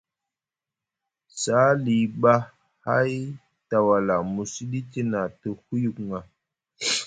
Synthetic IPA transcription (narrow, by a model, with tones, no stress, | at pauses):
sa˨˦li˨ɓa˦ | ha˦j | ta˨wa˨la˨mu˨si˦di˦ti˦na˨tə˨hu˦ju˨kŋa˨